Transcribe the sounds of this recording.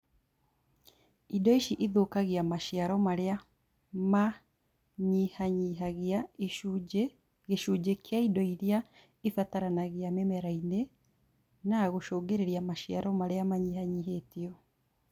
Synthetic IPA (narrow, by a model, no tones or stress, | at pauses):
idɔiʃiʔiðoːkaɣiamaʃjaɾɔmaɾea | ma | ɲihaɲiɦaɣia | e | ɣeʃuːd͡ʒekjaidɔiɾia | ifataɾanaɣeamɛmɛɾaine | naɣoʃoːɡeɾeɾiamaʃiaɾɔmaɾeamaɲihaɲiɦeːtiɔ